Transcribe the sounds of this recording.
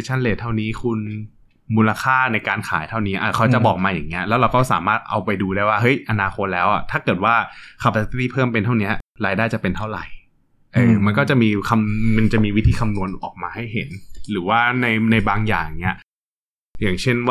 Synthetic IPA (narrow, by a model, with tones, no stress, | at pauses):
t͡ɕʰa˥˩nleː˧˩t̪ʰa˥˩wniː˦˥kʰu˧n | muː˧la˧kʰaː˥˩na˧jkaː˧nkʰa̰ː˩˦jt̪ʰa˥˩wniː˦˥ʔa˧˩kʰa˦˥wt͡ɕa˨˩bɔː˨˩k̚maː˧jaː˨˩ŋːi˦˥ɐlɛ˦˥wɾa˧wkɔː˥˩saː˨˩˦maː˥˩t̪̚ʔa̰˧wpa˧jduː˧ɾaː˥˩jwaː˥˩ɦɤ˦˥jʔa˧naː˧xʰo˧˥t̪̚lɛː˦˥wʔa˨˩t̪ʰaː˥˩kɤ˨˩t̪̚waː˥˩kʰa˨˩p̚ːa˧˦˧t̪iː˥˩pʰɤː˥˩mpe˧nt̪ʰa˥˩wni˦˥ɐɾaː˧jdaː˥˩jt͡ɕa˨˩pe˧nt̪ʰa˥˩wɾa˨˩j | ʔɤː˧ma˧nkɔː˥˩t͡ɕa˨˩miː˧kʰa˧mma˧nt͡ɕa˨˩miː˧wi˦˥t̪ʰiː˧kʰa˧mnu˧ənʔɔː˨˩k̚maː˧ha˥˩jɦḛ˩˦nɾɯː˩˦waː˥˩na˧jna˧jbaː˧ŋja̰ː˨˩ŋni˦˥ɐ˩ | jaː˨˩ŋt͡ɕʰe˥˩nw